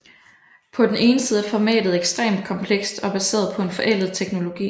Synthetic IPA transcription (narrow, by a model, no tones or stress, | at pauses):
pʰɒ̽d̥ene̝ːnəsiːð̞ˠfɒmɛ̰ːd̥ð̞̩ˠeɡ̥sd̥ʁḛːmd̥̚kʰɒ̽mpʰleɡ̥sd̥ɒ̽b̥æse̝̰ːɐðˠpʰɒ̽e̝nfɒ̽ʔel̰ð̩ˠt͡sʰeɡ̥no̝lo̝ɡ̥ḭː